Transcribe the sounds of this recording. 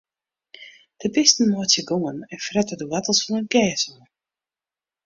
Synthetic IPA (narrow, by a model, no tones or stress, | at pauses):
d̥əbɪstn̩mɔətjəɡoŋənɛnfrɛtədəwatəlˠsfɔnənɡɛːsən